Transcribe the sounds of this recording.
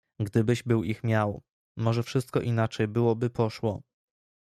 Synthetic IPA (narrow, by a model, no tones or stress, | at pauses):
ɡd̪ɘbɘʑbɘwixmʲjaw | mɔʐɛfʂɘst̪kɔʔinat͡ʂɛjbɘwɔbɘpʰɔʂwɔ